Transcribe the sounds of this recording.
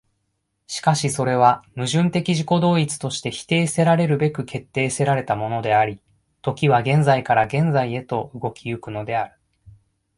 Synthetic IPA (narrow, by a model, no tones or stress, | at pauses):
ɕi̥kaɕiso̞ɾe̞β̞amɯ̟ʑɨ̃nt̪e̞kʲiʑiko̞d̪o̞ːit͡sɨ̥t̪o̞ɕi̥t̪e̞çi̥t̪e̞ːse̞ɾaɾe̞ɾɯ̟be̞kɯ̟kʰe̞t̪ːe̞ːse̞ɾaɾe̞t̪amo̞no̞d̪e̞aɾʲi | t̪o̞kʲiβ̞aɡẽ̞nzaikaɾaɡẽ̞nd͡zaie̞t̪o̞ɯɡo̞kʲiɯ̟kɯ̟no̞d̪e̞aɾɯ̟